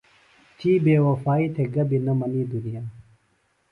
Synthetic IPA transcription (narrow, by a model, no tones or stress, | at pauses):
t͡ɕiːbeːwɐfaːit̪ʰeɡɐbinɐmɐniːd̪unijaː